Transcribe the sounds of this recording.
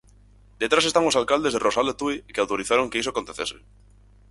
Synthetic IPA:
d̪et̪ɾas̬et̪aŋosalkald̪e̞zðerosalat̪uikeawt̪oɾiθaɾoŋkeisoakont̪eθese̥

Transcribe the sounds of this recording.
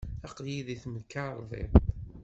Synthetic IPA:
ɑqljiðiθmðkːaɾˤðˤḛð

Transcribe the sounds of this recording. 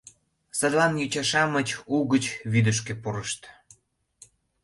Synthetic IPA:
səd̪lɑnjyt͡ɕɑʃɑmət͡ɕuɣət͡ɕβid̪əʃ̬kĕpuɾəʃt̪

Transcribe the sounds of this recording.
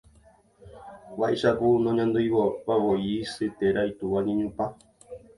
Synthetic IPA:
βaʔeʃapunõɲãnd̪ujwoβawoisɨt̪eɾajt̪uʋaɲẽɲũpa

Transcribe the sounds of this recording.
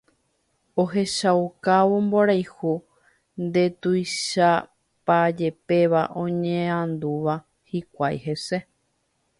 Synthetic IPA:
o̞ɦe̞ʃaukaʋomboɾajhu | nd̪e̞t̪ujʃa | pad͡ʒe̞pe̞ʋaʔõ̞ɲẽãnd̪uʋa | hikʷajɦe̞se̞

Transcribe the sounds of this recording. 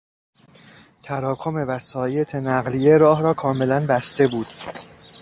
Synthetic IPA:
t̪ʰæɾɒːkʰo̞me̞væsɒːje̞t̪ʰe̞næɣlije̞ɾɒːɦɾɒːkʰɒːme̞lænbæst̪e̞buːd̪̥

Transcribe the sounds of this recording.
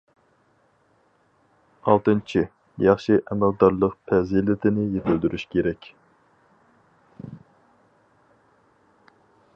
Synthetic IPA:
ɑlˠt̪ɨnt͡ʃʰi | jɑχʃiʔɛmæld̪ɑɾlˠəqpʰɛzilɪt̪ʰɪnɪjet̪ʰɪld̪yɾyʃkʲeɾɛkʲ

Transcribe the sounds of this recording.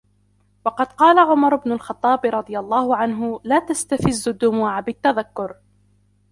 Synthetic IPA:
wɑqɑd̪qɑːlaʕʊmɑɾˤʊbnʊlxɑt̪ˤːɑːbɪɾˤɑd̪ˤɨjalˤːɑːhʊʕanɦʊlaːt̪ast̪afɪzːʊd̪ːʊmuːʕabɪt̪ːaðakːʊɾ

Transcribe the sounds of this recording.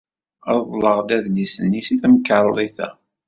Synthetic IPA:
ðˤðˤləʁd̪æðlisənːisiθmkəɾˤlˤiθæ̰

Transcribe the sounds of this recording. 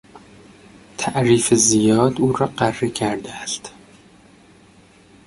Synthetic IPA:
t̪ʰæʔɾiːfezijɒːd̪uːɾɒːɢærːekʰæɾd̪eæst̪

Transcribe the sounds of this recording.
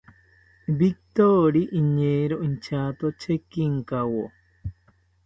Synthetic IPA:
bik̚t̪oɾiʔiɲeɾoʔint͡ʃat̪ot͡ʃekiŋkawo

